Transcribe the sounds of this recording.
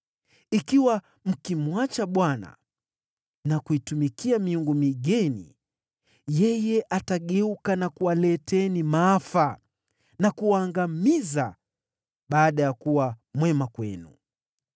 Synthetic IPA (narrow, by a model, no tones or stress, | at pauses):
ikiwa | m̩kimwat͡ʃaɓwana̰ | nakuitumikiamiuŋɡumiɠɛnḭ | jɛjɛʔataɠɛukanakuwalɛtɛnimaafa | nakuwaːŋɡamiza | ɓaːɗajakuwamwɛmakwɛ̰nṵ